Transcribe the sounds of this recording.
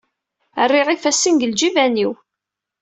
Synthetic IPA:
ərːiʁifæsːinɡəld͡ʒivæniw

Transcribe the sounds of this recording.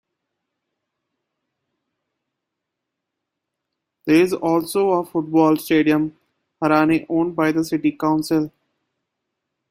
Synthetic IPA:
d̪eɪzɔːlsoːəfʊʈ̚bɔːlsʈeːɖijə̃m | həɾaːneʔõːɳɖbaɪd̪əsɪʈikãʊ̃nsɪl

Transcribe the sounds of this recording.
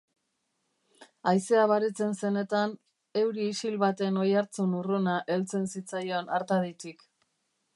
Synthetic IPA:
ajse̞aβaɾit͡se̞nse̞ne̞t̪an | e̞wɾiːsilβat̪e̞no̞jaɾt͡sunurunaʔe̞lt͡se̞nsit͡sajo̞naɾt̪aðit̪ik

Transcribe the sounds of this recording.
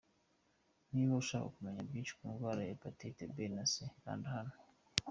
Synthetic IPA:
niβouʃako̰kumeɲabɡit͡ʃi̥kuŋvaɾejepatitebenaseka̰ːndihano

